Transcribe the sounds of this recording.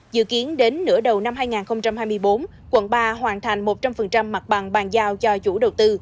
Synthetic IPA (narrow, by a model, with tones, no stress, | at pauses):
zɨ̰˧˨ki˨˦ənɗe˨˦nːɨ̰˧˥əɗə˨˩wna˧mɦaː˧jŋaː˨˩nxə˧wŋ͡mt͡ɕa˧mhaː˧jmɨ˧əjɓo˨˦n | kwə̰˧˨nɓaː˧ɦwaː˨˩nt̪ʰa˨˩jŋ̟mo˨˩t̚t͡ɕa˧mfə˨˩nt͡ɕa˧mːa˨˩t̚ɓa˨˩ŋɓaː˨˩nzaː˧wt͡ɕɔ˧t͡ɕṵ˧˩ɗə˨˩wt̪ɨ˧